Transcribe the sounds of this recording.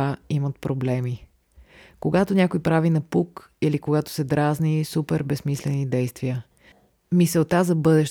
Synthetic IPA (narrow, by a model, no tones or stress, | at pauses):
aimət̪̚pɾoblɛmi | koɡat̪onʲakoipɾavinɐpuk | ilikoɡat̪o̥sɛd̪ɾaznisupɛɾbɛsmislɛnid̪ɛjst̪viə | misɛlˠt̪azɐbɤd̪ɛʃ